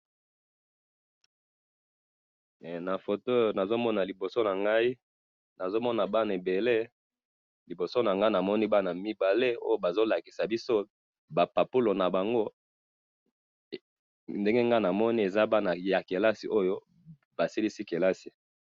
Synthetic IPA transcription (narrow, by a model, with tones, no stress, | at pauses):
na˨fo˨to˦˨na˨zo˦mɔ˦na˨li˨bo˨so˦na˨ŋɡa˦i˦ | na˨zo˦mɔ˦na˨ba˦na˨e˨be˨le˦ | li˨bo˨so˦na˨ŋɡa˦i˦na˨mɔ˦ni˦ba˦na˨mi˦ba˨le˦o˦jo˦ba˨zo˦la˨ki˨sa˨bi˦so˦ | ba˨pa˨pu˦lo˨na˨ba˨ŋɡo˦ | nde˦ŋɡe˦ŋɡa˦na˨mɔ˦ni˦e˨za˦ba˦na˨ja˨ke˨la˦si˨ʔo˦jo˦ | ba˨si˦li˦si˦ke˨la˦si˨